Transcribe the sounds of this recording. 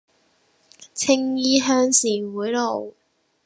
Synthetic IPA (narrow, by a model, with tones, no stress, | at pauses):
t͡sʰɪ˥ŋjiː˥ɦœː˥ŋsiː˨˩nwuː˨˥jlo˨˩w